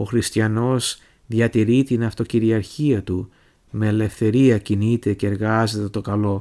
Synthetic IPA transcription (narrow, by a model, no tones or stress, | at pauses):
o̞xɾist̪çɐno̞z | ðjɐt̪iɾit̪inɐft̪o̞ciɾiɐɾçiɐt̪u | me̞ːle̞fθe̞ɾiɐcinit̪e̞ce̞ːɾɣɐze̞t̪e̞t̪o̞kɐlo̞